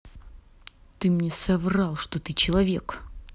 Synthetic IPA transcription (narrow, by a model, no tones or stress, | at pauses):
t̪ɨmnʲesɐvrɑlˠʂt̪ot̪ɨt͡ɕɪlˠɐvʲḛk